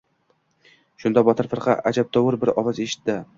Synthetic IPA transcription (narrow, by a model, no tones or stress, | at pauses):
ʃʊnd̪ɒbɒt̪ʰɪɾfɨɾqʰɑ̰ʔad͡ʒab̚t̪ʰɒwʊɾbɪɾɒvɒzeʃɪ̥t̪ːɪ